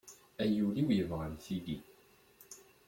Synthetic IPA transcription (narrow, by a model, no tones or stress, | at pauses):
æjuliwjəvʁəlθili